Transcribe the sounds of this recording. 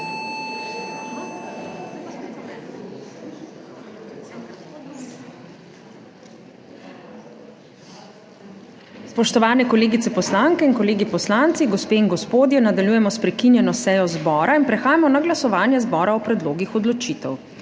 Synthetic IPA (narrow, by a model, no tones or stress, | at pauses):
spɔʃt̪ɔʋaːnɛkɔleːɡit̪ɛpɔslaŋkɛinkɔleːɡipɔslaːnt̪siɡɔspeːinɡɔspoːd̪jɛnad̪aljuːjɛmɔspɾɛkinjɛnɔsɛjɔzbɔːɾʔainpɾɛxaːjamɔnaɡlasɔʋaːnjɛzbɔːɾaɔpɾɛd̪loːɡixɔd̪lɔt͡ʃit̪ɛw